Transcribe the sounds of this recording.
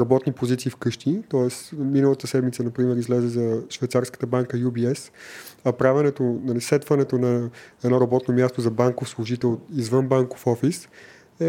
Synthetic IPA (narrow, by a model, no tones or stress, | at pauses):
ɾɐbɔt̪nipozit̪siːfkɤʃt̪it̪ɔɛsminəlˠət̪əsɛd̪mit̪sənɐpɾimɛɾizlɛzɛzɐʃvɛjt̪saɾskə̥t̪əbaŋkəjubiɛsɐpɾavɛnɛt̪onɐlisɛt̪vənɛt̪onɐɛd̪nɔɾɐbɔt̪nomjast̪ozɐbaŋkofslˠʊʒit̪ɛlˠizvɤnbaŋko̥fɔfis | ɛ